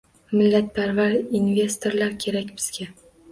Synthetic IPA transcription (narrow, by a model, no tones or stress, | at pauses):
mɪlːat̪̚pʰaɾvaɾinve̞st̪ʰo̞ɾlaɾkʲʰe̞ɾakʲbɪz̥ɡʲa